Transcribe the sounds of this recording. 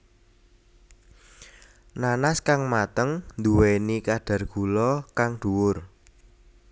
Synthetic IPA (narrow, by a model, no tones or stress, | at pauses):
nanaskaŋmat̪əŋnd̪uwenikaɖ̥a̤rɡ̥ulɔkaŋd̪̥uwʊr